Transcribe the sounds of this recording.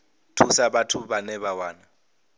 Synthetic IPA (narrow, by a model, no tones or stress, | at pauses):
tʰusaɓatʰuɓanɛβawaːna